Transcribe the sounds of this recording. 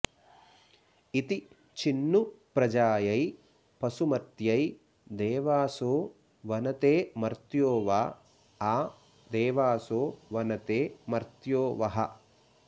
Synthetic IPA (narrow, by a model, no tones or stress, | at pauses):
it̪i | t͡ʃinːupɾɐd͡ʒaːjɐj | pɐsumɐt̪jɐj | d̪ɛːʋaːsoː | ʋɐnɐt̪eːmɐɾt̪joːʋaː | aː | d̪eːʋaːsoːʋɐnɐt̪eːmɐɾt̪joːʋɐɦɐ̰